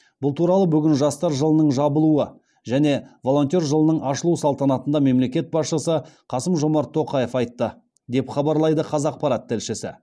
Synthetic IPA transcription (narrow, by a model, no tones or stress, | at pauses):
b̥ʊlˠt̪ʰuɾɑlˠəbʏɡʲɪnʒɑst̪ɑɾʒəlˠənəɴʒɑbəlˠuə | ʒæne̞vo̞lˠo̞nt̪ʲe̞ɾʒəlˠənəɴɑʃəlˠusɑlˠt̪ɑnɑt̪ənd̪ɑme̞mle̞kʲe̞t̪̚bɑsʃəsəqʰɑsəmʒo̞mɑɾt̪ʰːo̞qɑje̞fɑjt̪ːə | d̪e̞pχɑbɑɾlˠɑjd̪əqʰɑzɑq̚pɑɾɑt̪ʰːɪlʃɪsɪ̰